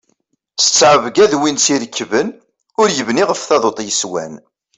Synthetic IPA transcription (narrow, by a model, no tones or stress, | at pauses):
t͡sə̥t͡sːʕəvɡæðwinsiɾəkːvən | ʊɾjəvniʁəfθɑðot̪ˤjəswæ̰n